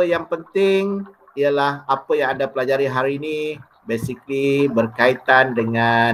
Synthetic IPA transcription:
əjaŋpənt̪ɪŋ | ialahapəjaŋadapəlad͡ʒaɾiɦaɾiːni | besiklibərkait̪andəŋa

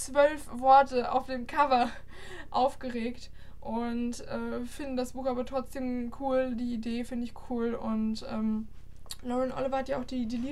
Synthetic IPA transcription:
t͡sv̥œlfv̥ɔɐtəa̰ʊfd̥eːmkʰavɐ | ʔaʊfɡ̥əʁeːkt | ʔʊntʔɛːfɪndn̩dasb̥uːxʔaːbɐtʁ̥ɔt͡sd̥eːmkʰuːldiːideːfɪndəɪçkʰuːlʊntʔɛːm | lɔɪnʔɔ̰lɪvɐhatjaaʊxd̥iːdiːliː

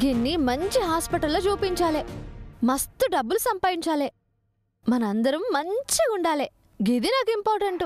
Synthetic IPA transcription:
ɡenːimɐɲt͡ʃiɦaːspɐʈɐlːoːd͡ʒuːpiɲt͡ʃaːleːmɐst̪uɖɐbːulusɐmpaːjiɲt͡ʃaːleː | mɐnɐɐnd̪ɐɾɐmːɐɲt͡ʃiuɳɖaːle | ɡid̪inaːkuimpaːɾʈɐɳʈu

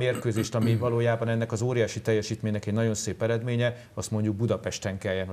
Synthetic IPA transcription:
meːrkøːzeːʃt̪ɒmivɒloːjaːbɒnɛnːɛkɒzoːɾijaːʃit̪ɛjːɛʃiːt̪meːɲːɛkɛɟnɒɟo̞nseːpɛɾɛd̪meːɲɛ | ɒst̪mo̞ɲɟuɡ̚bud̪ɒpɛʃt̪ɛŋkɛjɛ

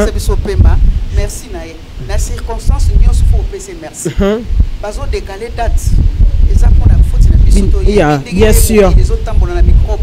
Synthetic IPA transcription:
abisopembamɛʁsinaje | nasiʁkɔ̃st̪ɑ̃sbjɔ̃so̥foopesemɛʁsibazodekaledatezakɔnafotinabistojabjɛ̃syʁezotãmbolanamikʁo

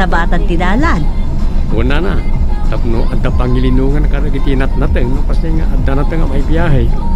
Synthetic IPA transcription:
ɐbaːt̪at̪ɪd̪aːlankunanat̪apnoʔad̪apaŋilɪnuŋankaɾaɡit̪inat̪̚nat̪əŋnopaseŋa̰ʔad̪anat̪əŋamaibijaɦaj

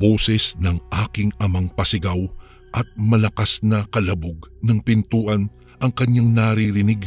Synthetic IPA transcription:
bo̞ːsɛsnɐŋʔaːkɪŋʔɐmaŋpɐsɪɡaw | ʔɐt̪̚mɐlɐkasnɐkɐlɐbʊɡnɐŋpɪnt̪uːʔɐn | ʔɐŋkɐɲːaŋnɐɾiɾɪnɪɡ

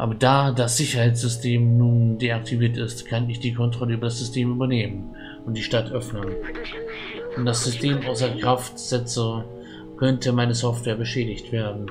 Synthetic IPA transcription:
ʔa̰ːbɐdaːdasz̥ɪçɐhaɪtt͡ssz̥ʏstʰeːmnuːndeːak̚tʰiviːɐtɪstkʰanɪçd̥iːkʰɔntʁ̥ɔləʔyːbɐdasz̥ʏstʰeːmʔyːbɐneːmən | ʔʊntd̥iːʃtatʔœfnən | ʔʊnt̚d̥as̬z̥ʏstʰeːmʔaʊsɐkʁ̥aftz̥ɛt͡sə | kʰœntəmaɪnəzɔftv̥ɛːɐbəʃɛːɾɪçtv̥eːɐdn̩

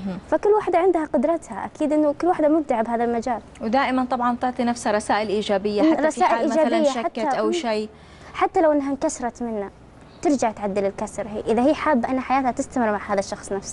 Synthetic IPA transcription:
fakʊlːwaħd̪aʕɪnd̪haqʊd̪ɾˤɑt̪haʔa̰kiːd̪ʔɪnːʊkʊlːwaħd̪amʊb̚t̪aʕabhaːðalmad͡ʒaːlwɪd̪aːʔɪmant̪ˤɑbʕɑnt̪ʊʕt̪ˤinafshaɾˤɑsaːʔɪlʔiːd͡ʒaːbɪjːaħaɾˤɑsaːʔɪlʔiːmd͡ʒaːlɪjːaʃaħak̪ːaʔawʃaː | ħat̪ːalawʔɪnːaɦankasɾˤɑt̪mɪnːa | t̪ɪɾd͡ʒaʕt̪ʕad̪ːɪlɪlkasɾˤɦḭːʔɪðahiːħaːbːʔanːaħajaːt̪hat̪ɪst̪amɪɾmaʕhaːðaʃːɑxsˤnafs

